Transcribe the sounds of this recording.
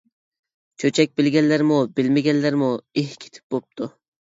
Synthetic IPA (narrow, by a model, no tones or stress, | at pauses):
t͡ʃʰɵt͡ʃʰak̚ʲbɪlɡʲanlːaɾmʊbɪlmaɡʲanlːaɾmʊehkʲʰe̥t̪ʰɪ̥p̚bop̚t̪ʰʊ